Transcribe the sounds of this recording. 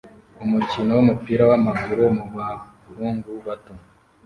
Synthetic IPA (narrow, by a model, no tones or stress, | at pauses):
umucino̞wumupiːɾawamaɡuɾomuβa | ɾuːŋɡuβato